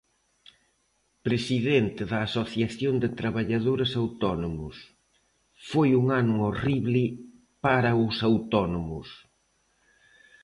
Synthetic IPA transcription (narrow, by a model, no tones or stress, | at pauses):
pɾesiðent̪ɪðɐːsoθjaθjond̪ɪt̪ɾaβaʎaðoɾɐsawt̪ɔnomʊs | fojuŋanʊoriβlɪ | paɾɐʊsawt̪ɔnomʊs